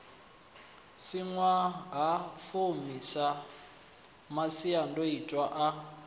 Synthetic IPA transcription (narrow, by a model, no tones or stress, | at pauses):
siŋwaɦafomisa | masiandoitʼwaʔa